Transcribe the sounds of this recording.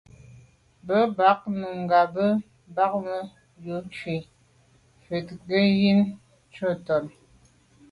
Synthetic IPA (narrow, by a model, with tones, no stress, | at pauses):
bə˦ba˨˦k̚nu˨ŋ˨ɡa˨bə˦ | ba˦k̚mə˦ | jo˨˦t͡ʃwi˨ | fe˨tɡə˦ji˦n˦ | t͡ʃə˦˨tɔ˨n